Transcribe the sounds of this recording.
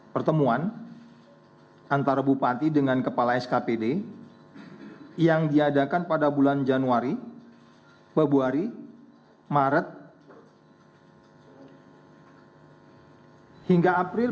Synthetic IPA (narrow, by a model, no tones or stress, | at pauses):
pərt̪əmuan | ant̪aɾabupat̪idəŋankəpalaɛskapede | jaŋdiadakanpadabuland͡ʒanuaɾi | bəbuaɾi | maɾət̪̚ | hiŋɡaːpɾɪ